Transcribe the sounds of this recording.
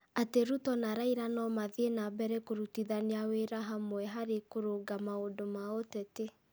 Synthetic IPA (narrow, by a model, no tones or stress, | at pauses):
ateɾutɔnaɾaiɾanɔmaðenabɛɾɛkoɾutiðaneaweɾaɦamwɛɦaɾekoɾoɡamaodomaotɛte